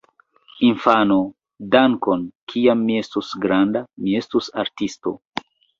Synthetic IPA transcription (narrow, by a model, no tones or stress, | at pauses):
infano | daŋkonkʰiamːie̞stusɡɾandamie̞stusaɾtisto̰